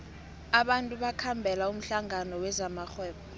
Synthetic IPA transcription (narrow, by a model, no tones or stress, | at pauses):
aɓantʼuɓakʰambʱɛlaum̩ɬaŋanɔwɛzamaxwɛːɓɔ